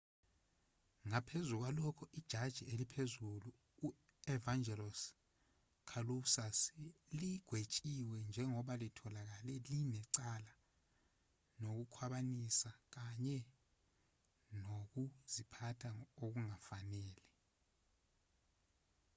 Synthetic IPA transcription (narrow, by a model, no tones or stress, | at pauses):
ŋapʰezuk̬walɔkʰɔʔid̥ʒ̥ʱad̥ʒ̥ʱielipʰezuluː | ɛvaŋd͡ʒʱɛlɔs | kʰalusasiliɡ̥ʱwet͡ʃʼiwɛnd͡ʒʱɛŋɔɓalitʰɔlak̬alɛlinɛǀala | nok̬ukʰwaɓanisak̬aɲɛ | nok̬uz̥ipʰatʰaok̬uŋafanɛːlɛ